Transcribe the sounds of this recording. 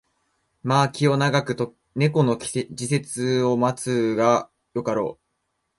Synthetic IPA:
maːkʲio̞naɡakɯ̟t̪o | ne̞ko̞no̞kʲd͡ʑise̞t͡sɨo̞mat͡sɨɡa | jo̞kaɾo̞̰ː

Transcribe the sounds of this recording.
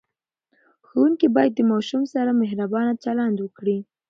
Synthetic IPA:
xowuŋkibɑjad̪̚ːəmɑʃumsaɾamehɾabɑnat͡ʃaland̪wəkɽi

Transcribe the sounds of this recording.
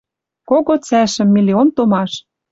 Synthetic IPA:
koɣot͡sæʃɘ̆mːilʲiont̪omɑʃ

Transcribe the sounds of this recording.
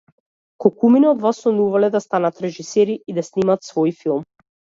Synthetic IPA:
kɔkuminɔd̪vasɔnuvalɛd̪ast̪anat̪ɾɛʒisɛɾiːd̪asnimat̪svɔjfilˠm

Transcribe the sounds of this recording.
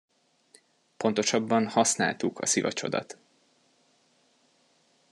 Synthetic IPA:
po̞nt̪o̞ʃɒbːɒnhɒsnaːlt̪ukʰɒ̰sivɒ̰t͡ʃo̞̰d̪ɒ̰t̪

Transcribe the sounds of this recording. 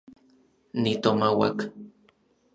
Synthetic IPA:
nit̪omawa̰k

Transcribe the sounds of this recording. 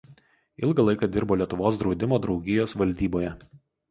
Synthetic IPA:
ɪlˠɡɐlˠɐɪkɑd̪ʲɪɾboːlʲiɛt̪ʊʋoːs̬d̪ɾɒʊd̪ʲɪmoːd̪ɾɒʊɡʲɪjoːsʋɐlʲd̪ʲiːboːjɛ

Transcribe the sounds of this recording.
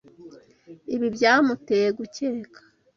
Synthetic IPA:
iβibjaːmuteːjeɡuce̞ːkʰḁ

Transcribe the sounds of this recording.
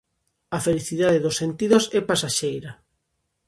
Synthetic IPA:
afeliθiðaðeðosːent̪iðosɛpasaʃejɾɐ

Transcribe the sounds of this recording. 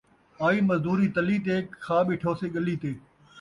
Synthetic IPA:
aːiːməzd̪uːɾiːt̪əliːt̪eːkkʰaːɓiːʈʰoːseːɠəliːt̪eː

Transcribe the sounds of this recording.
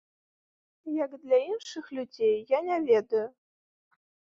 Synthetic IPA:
jakd̪lʲainʂɨxlʲudʲejːanʲɛvʲed̪ʊjʊ

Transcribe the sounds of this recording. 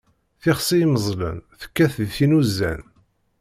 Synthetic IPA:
θɪχsˤijməzˤlə̰nθə̥kːæθðθinuzːæ̰n

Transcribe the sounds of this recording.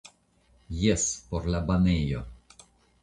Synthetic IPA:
jɛspoɾlabanejo̰

